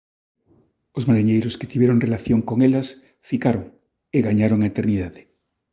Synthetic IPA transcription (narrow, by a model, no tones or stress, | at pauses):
ozmaɾiɲejɾʊsket̪iβjeɾoŋrelaθjoŋkoŋelɐs | fikaɾoŋ | eɣaɲaɾoŋaet̪eɾniðaðɪ